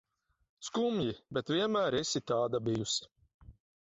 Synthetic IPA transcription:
skumjibʲɛt̪vʲiɛnmæːɾɛsit̪aːd̪abijusi̥

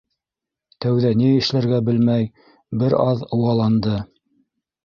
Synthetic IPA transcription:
t̪æwðæniɘ̆ʃlæɾɡæbɘlmæj | bɘɾɑðɤ̆wɑlˠɑnd̪ɤ

